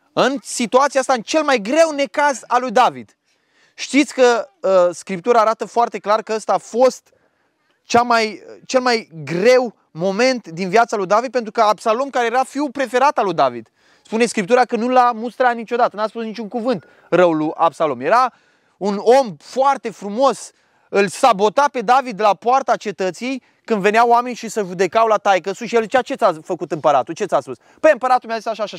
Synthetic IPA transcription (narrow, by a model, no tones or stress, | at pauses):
ɨnsit̪uat̪siaast̪aɨnt͡ʃe̞lmajɡɾe̞wne̞kazalujd̪avid̪̥ | ʃt̪it̪sʲkəəskɾip̚t̪uɾaːɾat̪əfoart̪e̞klarkəəst̪aːfo̞st̪ | t͡ʃamajt͡ʃe̞lmajɡɾe̞w | mo̞me̞nt̪d̪invjat̪salujd̪avid̪̚pe̞nt̪ɾukəabsalo̞mkaɾejeɾafiwpɾe̞fe̞ɾat̪alujd̪avḭd̪̥ | spune̞skɾip̚t̪uɾakənulamust̪ɾat̪nit͡ʃo̞d̪at̪ənaspusnit͡ʃʲuŋkuvɨnt̪ | rəwlujʔapsalo̞mje̞ɾa | uno̞mfoart̪e̞fɾumo̞s | ɨlsabo̞t̪ape̞d̪avid̪ːelapoart̪at͡ʃe̞t̪ət̪sijej | kɨnd̪ve̞neawame̞nʲʃisəʒud̪e̞kawlat̪ajkəsuʃijelzit͡ʃawt͡ʃe̞t̪safəkut̪ɨmpəɾat̪ult͡ʃe̞t̪saspus | b̥əjɨmpəɾat̪ulmʲejazisaʃaʃa